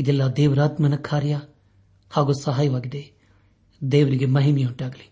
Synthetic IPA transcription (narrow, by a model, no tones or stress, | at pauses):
ɪd̪elːaːd̪eːʋɾaːt̪mənəkʰːaːɾɪjaː | haːɡoːsɐɦaːiʋaːɡid̪eː | d̪eːʋɾiɡemɐɦimijaʊʈaːɡliː